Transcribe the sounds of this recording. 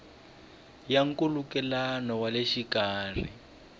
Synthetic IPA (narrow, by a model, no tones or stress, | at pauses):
jaŋ̩kulukɛlanɔwaleʃikaːr̤ḭ